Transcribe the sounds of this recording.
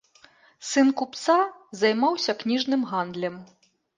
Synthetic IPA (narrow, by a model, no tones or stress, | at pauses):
sɨnkupt̪sazɐjmawsʲɐknʲiʐnɨmɣand̪lʲɛm